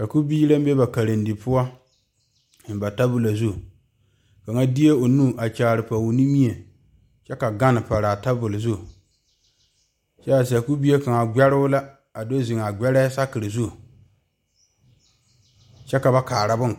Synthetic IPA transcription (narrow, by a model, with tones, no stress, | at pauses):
ka˨ku˦biː˦ɾa˦m˦be˦ba˨ka˨ɾɨ˨ndi˨pʊ˦a˦ | ɪ˨nba˨ta˦bʊ˦la˨zu˦˨ | ka˨ŋa˦di˦e˦o˨nu˦˨ʔa˨t͡ʃaː˨ɾɨ˨pa˨wu˨ni˦mi˦e˨ | t͡ʃɛ˦ka˨ɡa˦nɨ˨pa˨ɾa˨ta˦bʊ˨lzu˦˨ | t͡ʃɛ˦a˨s̬a˨ku˦bi˦e˦ka˨ŋa˨ɡ͡bɛ˦ɾʊ˦ʊ˦la˦ | a˨do˦zɪ˨ŋ˨a˨ɡ͡bɛ˦ɾɛ˦sa˦kɨ˨ɾɨ˨zu˦˨ | t͡ʃɛ˦ka˨ba˦kaː˨ɾa˦bʊ˦n˨